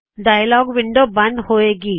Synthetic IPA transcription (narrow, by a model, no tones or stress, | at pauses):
ɖaːjlɔːɡʋɪ̃ɳɖobɐ̃nd̪hoeːɡiː